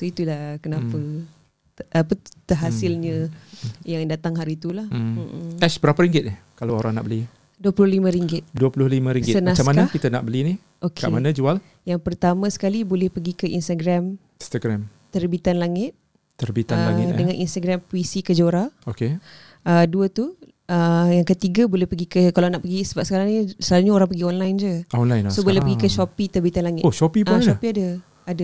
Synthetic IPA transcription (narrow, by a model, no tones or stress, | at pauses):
soit̪ulahkənapa | ʔːpə̥t̪əɦasɪlɲə̃ | jaŋdat̪aŋɦaɾiːt̪ulah̩t̪ɛsbəɾapaɾiŋɡɪt̪̚nɪhkalaoɾaŋna̰ʔbəli | duəpulʊlimãɾiŋɡɪt̪̚duəpulʊhlimãɾiŋɡɪt̪ənãt͡ʃamaknakit̪ana̰ʔbəlini | ʔokʰka̰ʔmanãd͡ʒual | jaŋpərt̪amãsə̥kalibolɛhpəɡikəʔinst̪aɡɾam | st̪aɡɾɛmːərbit̪anlaŋɪt̪̚ | t̪ərbit̪aəlaŋɪdəŋãnʔinst̪aɡɾampwisikəd͡ʒoɾaoke | əduət̪u | əjaŋkət̪iɡabolɛhpəɡikəkalanaʔpəɡisəbap̚sə̥kaɾaŋɲisəaluɲaoɾaŋpəɡiɔnlajnd͡ʒəʔaɔnlajnsobolɛpəɡikəʃɔpit̪ərbit̪anlaŋɪt̪oʃopipʃɔpiadə | ada